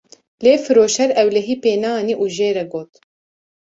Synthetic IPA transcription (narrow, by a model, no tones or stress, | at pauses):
leːfɨɾoːʃɛɾɛwlɛɦiːpeːnɑːniʔuːʒeːɾɛɡoːt̪